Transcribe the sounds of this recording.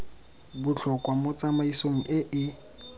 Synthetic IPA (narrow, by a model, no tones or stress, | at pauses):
bʊɬʰɔkʼwamʊt͡sʼamaisoŋ̩ʔɪʔɪ